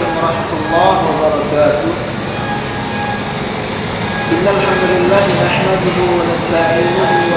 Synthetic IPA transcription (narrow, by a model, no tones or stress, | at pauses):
mɑɾˤɑħmat̪ʔlˤːɑːhwabɑɾˤɑkaːt̪ʊ | ʔɪnːalħamd̪ʊlɪlːaːhɪnaħmad̪ʊɦʊwanast̪aʕiːnʊɦʊ